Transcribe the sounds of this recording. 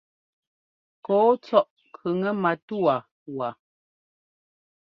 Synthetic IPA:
kɔː˨˦t͡sɔ˦ʔ | kʰʉ˨ŋə˦ma˨tu˦a˨ | wa˨

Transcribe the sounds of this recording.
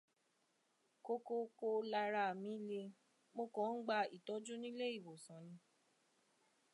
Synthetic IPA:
ko˧ko˧ko˧la˧ɾa˧˨mĩ˨˦le˧ | mo˧kɔ̃˨˦n̩˦ɡ͡ba˧i˨tɔ˨˦d͡ʒũ˦nĩ˦le˦i˦˨wo˨sã˨˦nĩ˧˦

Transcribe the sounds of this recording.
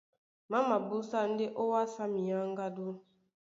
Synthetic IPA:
ma˦ma˨bu˦sa˦˨n̩˦de˦ʔo˦wa˦sa˦mi˨ja˦ŋ˦ɡa˦du˦

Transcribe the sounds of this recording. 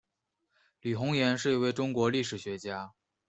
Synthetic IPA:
ly˨˩xʊ˧˥ŋjɛ˧˥nʂ̬ɻ̩˥˩i˥we˥˩ɪʈ͡ʂʊ˥ŋkwɔ˧˥li˥˩ʂɻ̩˨˩ɕɥɛ˧˥t͡ɕja˥

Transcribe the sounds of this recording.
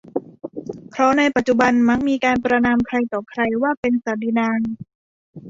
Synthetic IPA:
pʰɾɔ˦˥na˧jpa˨t̪̚t͡ɕu˨˩ba˧nma˦˥k̚miː˧kaː˧npɾa˧naː˧mkʰɾa˧jt̪ɔː˨˩kʰɾa˧jwaː˥˩pe˧nsaː˨˩diː˧˩naː˧ŋ

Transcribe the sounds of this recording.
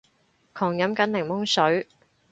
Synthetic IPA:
kʰɔː˨˩ŋjɐ˨˥mkɐ˨˥nlɪ˨˩ŋmʊ˥ŋsɵ˨˥ɥ

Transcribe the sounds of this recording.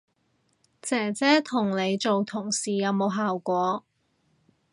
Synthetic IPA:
t͡sɛː˨˩t͡sɛː˥t̪ʰʊ˨˩ŋle˨˧jt͡so˨wt̪ʰʊ˨˩ŋsiː˨˩jɐ˨˧wmo˨˧wɦaː˨wkʷɔː˨˧˥

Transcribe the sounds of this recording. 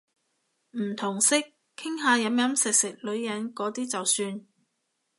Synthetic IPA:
m̩ː˨˩t̪ʰʊ˨˩ŋsɪ˥k̚ʰː | ɪ˥ŋɦaː˨˧jɐ˨˥mjɐ˨˥msɪ˨k̚sɪ˨k̚lɵ˨˧ɥjɐ˨˥nkɔː˨˥t̪iː˥t͡sɐ˨wsyː˧n

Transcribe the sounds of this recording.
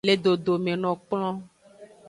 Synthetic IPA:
le˨ɖo˨ɖo˨mẽ˨nɔ̃˨k͡plɔ̃˦

